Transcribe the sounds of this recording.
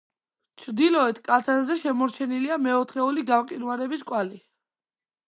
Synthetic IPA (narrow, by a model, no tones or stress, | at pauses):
t͡ʃʰɾd̪ilɔɛt̪ʰkʼat̪ʰazɛʃɛmɔɾt͡ʃʰɛniliamɛɔt̪ʰχɛuliɡamqʼinwaɾɛbiskʼwali